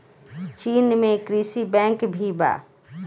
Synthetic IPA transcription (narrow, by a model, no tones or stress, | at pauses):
t͡ʃiːnmẽkɾiːsibɛ̃ːŋkbʱiba̰ː